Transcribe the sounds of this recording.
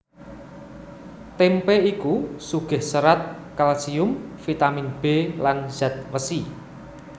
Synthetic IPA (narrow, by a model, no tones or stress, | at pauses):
t̪empɛikusuɡ̥ɛ̤hsəɾat̪̚ | kalsiʊmfit̪aminb̥elanz̥at̪̚wəsi